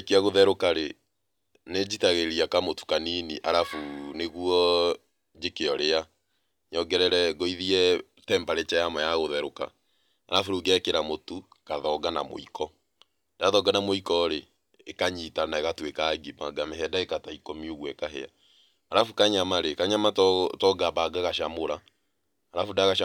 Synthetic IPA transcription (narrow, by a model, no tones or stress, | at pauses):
keaɣoðɛɾokaɾe | ned͡ʒitaɣeɾiakamotu̥kaniniʔaɾafuneɣuɔ | d͡ʒekeɔɾea | ɲɔɡɛɾɛɾɛɣoiðiɛ | tɛmbaɾet͡ʃajamɔjaɣoðɛɾoka̰ | aɾafuɾuɡɛkeɾamotu | kaðɔɡanamo̰ikʰɔ | daðɔɡanamoikɔɾeː | kaɲitanaeɣatwekaɡimaɡamehɛdaekataikomioɣwɛkaɦɛ̰a̰ | aɾafukaɲamaɾekaɲamattɔɡabaɡaɣaʃamoɾaː | ɾafudaɣaʃa